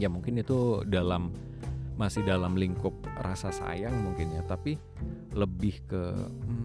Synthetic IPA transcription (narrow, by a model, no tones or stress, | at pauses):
jamuŋkɪnit̪udalamː | asɪhdalamliŋkʊp̚rasasa̰jaŋmuŋkɪnɲat̪api | ləbɪhkə